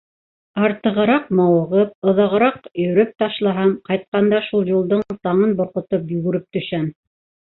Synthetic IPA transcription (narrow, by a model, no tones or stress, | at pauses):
ɑɾt̪ɤ̆ʁɤ̆ɾɑqmɑwɤ̆ʁɤp̚ŏðɑʁɤ̆ɾɑqjɵ̆ɾɵp̚t̪ɑʃlˠɑɦɑmqɑjt̪̚qɑnd̪ɑʃulˠjulˠd̪oɴlˠt̪ɑɴɤnbŏɾqŏt̪opjɵɡɘ̆ɾɘp̚t̪ɵ̆ʃæm